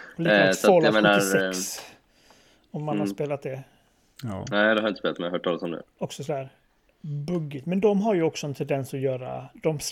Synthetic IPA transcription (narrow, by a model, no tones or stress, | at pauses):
ɔliːsaɔlameːnaɾɛs | ɔmːanhaɾspeːlat̪̚d̪ɛ | nɛɪd̪ɛhaɾjɪəspeːlat̪mɛjhœːʈʰɔlsɔmd̪ʉ̰ɔksɔsɔhæːɾ | bɵɡːɪt̪mɛnd̪ɔmɦaɾjɵɔksɔɛnt̪ʰɛnd̪ɛnsɔjœːɾa̰d̪̥ɔm